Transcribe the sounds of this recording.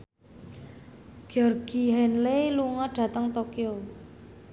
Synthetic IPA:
ɡ̥iɔrɡ̥iɦɛnleluŋɔɖ̥ä̤t̪əŋt̪okio

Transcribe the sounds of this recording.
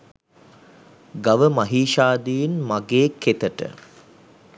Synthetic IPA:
ɡaʋəmaɦiːʃaːd̪iinmaɡeːket̪əʈə̰

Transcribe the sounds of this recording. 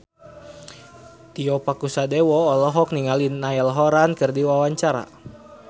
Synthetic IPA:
t̪iɔpakusadewɔːlɔɦɔk̚niŋalinːaɛlɦɔɾankɨrdiwawaɲt͡ʃaɾa̰

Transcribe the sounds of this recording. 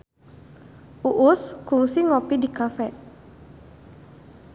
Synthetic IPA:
ʔuʔʊskuŋsiŋɔpidikafɛ

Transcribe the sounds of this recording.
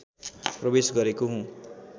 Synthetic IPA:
prʌbesɡʌɾekoɦũ

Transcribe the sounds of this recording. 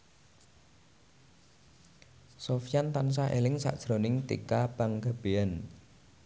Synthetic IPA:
sofjant̪ans̬aɦelɪŋsa̰ʔʒ̥ɾonɪŋt̪ḭkab̥aŋɡab̥eɛn

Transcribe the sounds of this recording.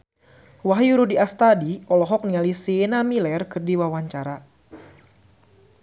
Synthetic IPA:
waɦjuɾudiast̪adiɔlɔɦɔk̚nialisienamilɛrkɨrdiwawaɲt͡ʃaɾa

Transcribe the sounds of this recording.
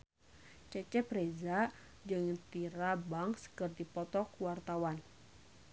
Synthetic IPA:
t͡ʃɛt͡ʃɛpɾeza | d͡ʒɨŋt̪iɾabaŋsə̥kərt̪ipɔt̪ɔkuwart̪awan

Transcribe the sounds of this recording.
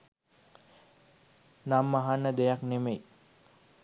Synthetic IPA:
namːaɦanːəd̪ejaknemej

